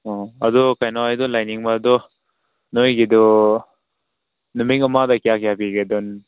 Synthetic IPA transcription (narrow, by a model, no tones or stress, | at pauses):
ɔad̪ɔkajnɔajdɔlajniŋbaːd̪ɔ | nojɡid̪ɔ | numiŋɐmadakijakijapiɡedɔn